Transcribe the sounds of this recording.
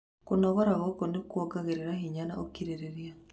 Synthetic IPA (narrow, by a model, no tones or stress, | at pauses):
konɔɣɔɾaɣokonekwɔɡaɣeɾeɾaɦiɲana̰ʔokiɾeɾeɾja